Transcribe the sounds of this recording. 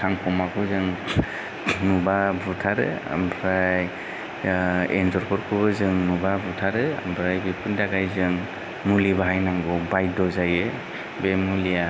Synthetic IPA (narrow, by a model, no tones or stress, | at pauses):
tʰaŋkʰɔmakʰɯzɯŋ | nubabutʰaɾɯ̰a̰mbɾaj | ḛnzɔɾkʰɔɾkʰɯbɯzɯŋnubabutʰaɾɯa̰mbɾajbipʰɯndaɡajzɯŋ | mulibaɦajnaŋbɔbajdɔzajɯ | bemulija